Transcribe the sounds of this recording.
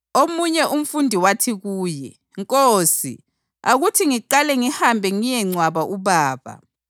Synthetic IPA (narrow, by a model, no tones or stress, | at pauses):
omuɲɛʔum̩fundʱiwatʰiɣuːjɛ | ŋkʼoːsḭ | a̰ɣutʰiŋiǃalɛŋihambʱɛŋijɛŋ͡ǀwaβaʔuβaːβa̰